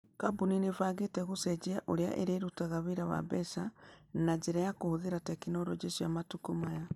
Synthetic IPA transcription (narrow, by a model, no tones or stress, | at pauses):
kabuninevaɣeteɣused͡ʒiaʔoɾja̰ʔḛɾeɾutaɣaβiɾaβa̰βesanad͡ʒeɾajakohuðiɾatekinoɾod͡ʒesujamatukumaja